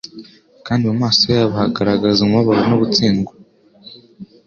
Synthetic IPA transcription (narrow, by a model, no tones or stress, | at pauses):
kaːndimumaːsojaːβahaɡaɾaɡazumaβaɾanoβut͡siːŋɡo